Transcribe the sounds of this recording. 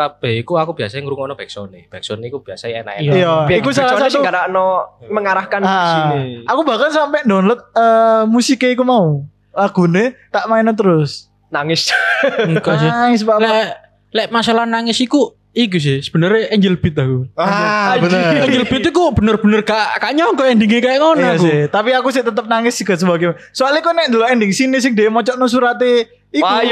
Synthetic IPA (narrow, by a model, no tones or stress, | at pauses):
t̪ab̥eikuakubiasaŋɾuŋɔnɔb̥ɛksɔnḛb̥ɛksɔnikub̥iasaɛ̰na̰ʔjaikusalasauɡadanɔməŋaɾahkanasiniakubakansampɛʔndɔnlət̪̚əmusikeikumau | laɡ̥ṳnet̪aʔmaɪnɔt̪̬əɾʊs | naŋɪsŋkasɪaŋɪs̬balɛ | lɛʔmasalahnaŋɪsiku | iɡus̬ɪhsə̥b̥ənəɾeɛɲd͡ʒəlb̥ɪt̪̚akuabəəɛd͡ʒəlbɪt̪ikub̥ənərb̥ənərɡaʔkaɲɔŋkɔɛndɪŋekajaʔŋɔnɔkuɪt̪apiakus̬ɪt̪ət̪əp̚naŋɪsikəs̬əbaɡim | soalikunɛʔnd̪əlɔʔɛndɪŋsinesɪŋdeʔmɔt͡ʃɔʔnos̬uɾat̪e | ikj